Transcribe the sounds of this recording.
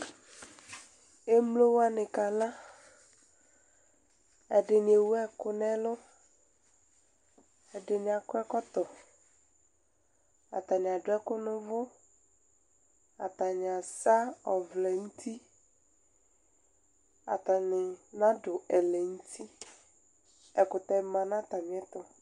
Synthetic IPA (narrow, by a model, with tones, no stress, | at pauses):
e˦mlo˦wa˦nɪ̃˨ka˨la˦ | ɛ˨ɖɪ˨nɪ̃˨e˨wu˦ɛ˦kʊ˦nɛ̃˦lʊ˦ | ɛ˨ɖɪ˨nɪ˨a˨kʊ˦ɛ˦kɔ˦t̪ɔ˨ | a̰˨ta˨nɪ˨a˨dʊ˨˦ɛ˦kʊ˦nʊ̃˦vʊ˦ | a̰˨ta˨nɪ˨a˨sa˦ɔ˨vlɛ˨n̩˦tʰi˦ | a̰˨ta˨nɪ˨nã˦dʊ˨ɛ˨lɛ˨n̩˦tʰi˦ | ɛ˨kʊ˨tɛ˦mã˨nã˦ta˨mɪ˨˦ɛ˦tɔ˨